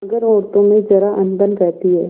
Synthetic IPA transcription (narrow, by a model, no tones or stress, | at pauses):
ɐɡəɾɔːɾt̪õmẽd͡ʒɐɾaʔɐ̃nd̪ənkɛɦt̪iɦɛ̰ː